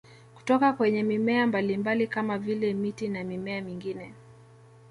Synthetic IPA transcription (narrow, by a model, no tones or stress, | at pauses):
ku̥tɔkakwɛɲɛmimɛambalimbalikamavilɛmitinamimɛamiŋɡinɛ